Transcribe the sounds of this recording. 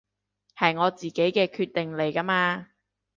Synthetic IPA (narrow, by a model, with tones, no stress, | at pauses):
hɐ˨jŋɔː˨˧t͡siː˨ke˨˥jkɛː˧kʰyː˧t̪̚ɪ˨ŋle˨˩jkɐ˥maː˧